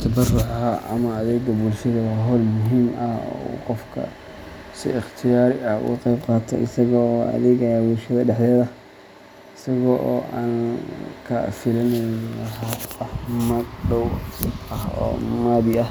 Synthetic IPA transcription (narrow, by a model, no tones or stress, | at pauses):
t̪ʰɐbɐrʊħahaʔɐ̰mɐːðɛːɡɐbulʃɐðɐðɐɦɔːlmʊɦiːmɐhɔ̰qɔfkʰɐ̰ | sɪ̰ɪχt̪ʰɪjaːɾɪɐhʔʊ̰qɛjbqɑːt̪ʰɐ̰ʔɪsɐɣɐɔːɐ̰ðɛːɣɐjaːbulʃɐðɐɖɛħd̪ɛːðɐ | ɪsɐɣɔʔɔːʔaːnkʰɐ̰fɪlɐnɛjlɐɦaɐhmɐɡɖɔwɐhɔ̰ːmaːðɪʔɐh